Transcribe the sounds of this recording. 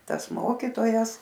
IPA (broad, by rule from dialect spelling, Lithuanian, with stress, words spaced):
ˈtɐs ˈmoːkʲiːtoːjɛs